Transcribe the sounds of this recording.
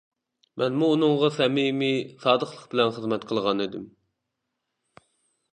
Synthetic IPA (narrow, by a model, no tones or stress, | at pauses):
mʔɛnmuːnɨŋʁɑsɛmimisɑːd̪əqlˠəqbɪlɛnχəzmɛt̪qʰəlˠʁɑnid̪ɪm